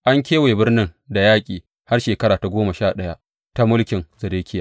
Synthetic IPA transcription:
ʔa˦ŋkʲeː˦weː˨bɪ˦rnɪ˦ŋda˨jaː˦kʲʼiː˨ | ha˦rʃeː˨kɐ˦ɾaː˨ta˨ɡʷoː˦ma˨ʃaː˦˨ɗɐ˦ja˦ | ta˦mʊ˦lkʲɪ˨ŋzɐ˨deː˦kʲɪ˦ja˨

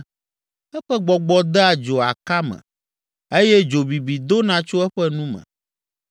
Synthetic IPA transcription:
ɛ˦ɸɛ˦ɡ͡bɔ˨ɡ͡bɔ˨d̪ɛ˦a˨d͡ʒo˨a̰˨ka˦mɛ̰̃˨ | e˦jɛ˦d͡ʒo˨bi˨bi˨d̪o˦nã˨t͡ʃo˦ɛ˦ɸɛ˦nũ˦mɛ̰̃˨

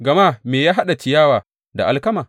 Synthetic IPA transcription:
ɡɐ˨ma˦˨meː˨jaː˦ɦa˦ɗa˨t͡ʃɪ˨jaː˦waː˨ | da̰˨ʔa̰˨lkɐ˦maː˨

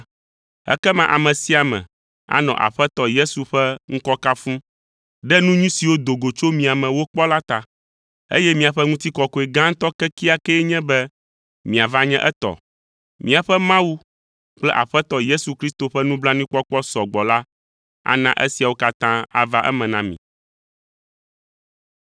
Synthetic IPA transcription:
ɛ̰˦kɛ˦mã˦ʔa̰˨mɛ̃˨si˦a˨mɛ̰̃˨ | a̰˦nɔ̰̃˨ʔa̰˨ɸɛ˦t̪ɔ˦je˦su˨ɸɛ˦ŋ̩˦kɔ˦ka˦fũ˦ | ɖɛ˦nũ˦ɲũ˦si˨wo˦d̪o˨ɡo˨t͡ʃo˦mĩ˨a˨mɛ̃˨wo˦k͡pɔ˦la˦t̪a˨ | ḛ˦jɛ˦mĩ˨a˨ɸɛ˦ŋũ˦t̪i˦kɔ˨kɔ˨e˨ɡã˦ŋ̩˦t̪ɔ˦kɛ˦ki˦a˦kɛ˦ɲɛ̃˦bɛ˦ | mĩ˨a˨va˦ɲɛ̃˦ʔɛ˦t̪ɔ̰˨ | mĩ˨a˨ɸɛ˦mã˦wu˦ | k͡plɛ˦ʔa˨ɸɛ˦t̪ɔ˦je˦su˨kɾi˦st̪o˨ɸɛ˦nũ˦bla˦nĩ˦k͡pɔ˦k͡pɔ˦sɔ˨ɡ͡bɔ˨la˦ | a̰˦nã̰˦ʔɛ̰˦si˨a˨wo˦ka˦t̪ã˦a̰˨va˦ʔɛ̰˦mɛ̃˨nã˦mḭ̃˨

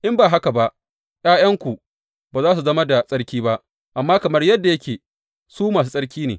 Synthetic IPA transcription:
ʔɪ˦mbaː˨ɦa˦ka˨ba˦ʔ | j̰aː˦jɐ˦ŋkʷu˨ | baː˨zaː˦s̬u˨zɐ˦ma˦da˨sʼɐ˦ɽkʲiː˦ba˦ʔ | ʔa˨mːaː˦kɐ˨mɐ˦rjɐ˦dːa˨jɐ˦kʲeː˨ | suː˦maː˨s̬u˦sʼɐ˦ɽkʲiː˦nḛː˨

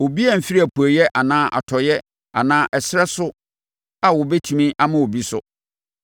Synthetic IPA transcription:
o˨bi˦a˦m̩˨fi˦i˦æ˨pʰu˨æ˨jɛ˦ʔa˨nãː˦ʔa̰˨tʰɔ˨jɛ˦ | a˨nãː˦ʔɛ˨sɪɾɛ˦sʊ˦ | a˨wɔ˨bɛ˦tʰĩ˨mĩ˦ʔa˦mã˦o˨bi˦sʊ̰˦

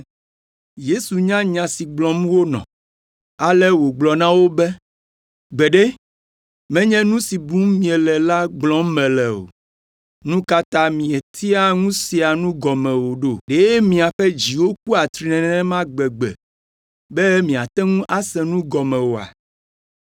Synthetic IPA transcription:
je˦su˨ɲã˦ɲã˨si˨ɡ͡blɔ̃˨m˦wo˦nɔ̰̃˨ | a˨lɛ˦wo˨ɡ͡blɔ˨nã˦wo˦bɛ˦ | ɡ͡bɛ˨ɖɛ˦ | mɛ̃˦ɲɛ̃˦nũ˦si˨bũ˦mmĩ˨ɛ˨lɛ˨la˦ɡ͡blɔ̃˦m˦mɛ̃˨lɛ˨o̰˨ | nũ˦ka˦t̪ã˦mĩ˨ɛ˨t̪ʰi˦a˦ŋũ˦si˨a˨nũ˦ɡɔ˨mɛ̃˨wo˨ɖo˦ɖe˨˦jɛ˦mĩ˨a˨ɸɛ˦d͡ʑi˨wo˦k̚u˦a˨t̪ɾi˨nɛ̃˨nɛ̃˦nɛ̃˦mã˦ɡ͡bɛ˨ɡ͡bɛ̰˨ | bɛ˦mĩ˨a˨t̪ɛ˦ŋũ˦ʔa˦sɛ̃˨nũ˦ɡɔ˨mɛ̃˨wo˨a̰˨

